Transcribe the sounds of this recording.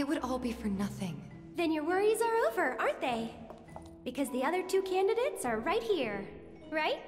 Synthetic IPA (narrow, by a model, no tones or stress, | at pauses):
ɨt̚wəɾɔlˠbifə˞nʌθɪ̃ŋ | ðɨ̃njə˞wɜɹizə˞oʊvə˞ʔɑɹnðeɪ | b̥ɨkʰʌzðiʌðə˞tʰʉkʰæ̃ndɨɾeɪtsə˞ɹaɪt̚hiɹ | ɹaɪt̚